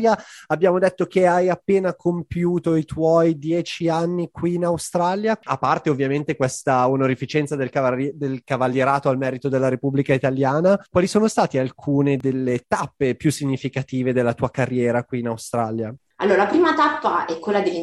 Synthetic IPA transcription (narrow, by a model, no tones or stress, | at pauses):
jaabːjaːmod̪et̪ːok̟eajapːeːnakʰompjuːt̪oit̪wɔjd̪jɛːt͡ʃianːikwiːnawst̪ɾaljaa̰pːart̪eovːjament̪ekwest̪aonoɾifit͡ʃɛnt̪sad̪ekad̪elkavalːjeɾaːt̪oalmɛːɾit̪od̪elːaɾepubːlikait̪aljaːnakwaːlisoːnost̪aːt̪ialkʰuːned̪elːet̪apːepjusːiɲːifikat̪iːved̪elːat̪uːakarːjɛːɾakwiːnawst̪ɾa̰lja | a̰lːoːɾalapɾiːmat̪apːaʔɛkːwelːad̪elːi